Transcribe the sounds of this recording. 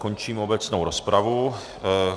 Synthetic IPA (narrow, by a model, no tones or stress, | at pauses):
kont͡ʃiːmo̞bɛt͡snowɾospɾavu